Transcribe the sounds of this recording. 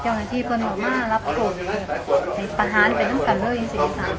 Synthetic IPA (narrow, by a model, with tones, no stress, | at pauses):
t͡ɕa˧˩wnaː˧˩t̪ʰiː˧˥˩pʰɤ˧˥˨nkʰɔː˧˩maː˧˥˩la˦˥p̚t̪ʰoː˧˩nː˨˩˨ha˨˩jpa˧˩ɦaː˨˦npa˨˩jna˧˥˨mka˨˩nlɤː˧˥˨jʔi˧ŋsi˨˧˩i˧sʰa˧˩